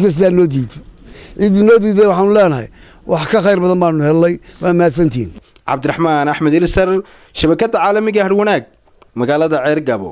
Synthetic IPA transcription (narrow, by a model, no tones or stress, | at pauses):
d̪kʰɐs̬ɪðaːnɔːd̪iːðɔ̥ʕiːd̪inɔːd̪iːðɛjwɑħɑːnʊlɛːnɐɦɛ̰j | wʔɑħkʰɐxɑjrbɐðɐmbaːnʊhɛlːɛjwamaːd̪s̬ɐnt̪ʰḭːn | ʕɑ̰bd̪ɪrɑħmaːnɐħmɐd̪ɪlsɐr | ʃɐβɐkʰɐd̪ɐʕaːlɐmɪɣɐhɐɽwɐnaːɡ̚ | mɐɣaːlɐðɐʕɛːrɡɐβɔ̰